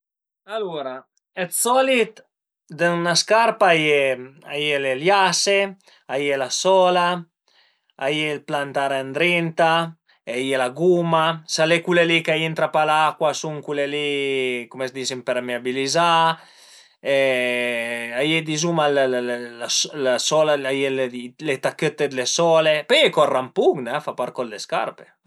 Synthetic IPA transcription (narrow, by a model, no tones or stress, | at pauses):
aluɾa | ɛt̪sɔlit̪ | d̪ənaskaɾpajea̰jeleljase | ajelasɔla | ajelplant̪aɾand̪ɾint̪a | eajelaɡumasalekulelikajient̪ɾapalakwasuŋkulelikomesd̪isimpeɾameabiliza | ɛ | ajed̪izumallaslasɔlaajellet̪akːøt̪ːed̪lesɔːlepɛjekɔrampuɡnɛfapaɾkɔd̪leska̰ɾpe̥